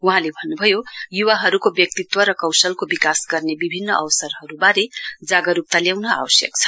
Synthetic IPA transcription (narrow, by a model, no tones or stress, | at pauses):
uɦãlebʱʌnːubʱʌjojuwaɦʌɾukobjʌk̚t̪it̪wʌɾʌkʌwsʌlkobikasɡʌrnebibʱinːʌʔʌwsʌrɦʌɾubaɾed͡zaɡʌɾup̚t̪aljawnʌa̰wʌsjʌ̰kt͡sʰʌ̥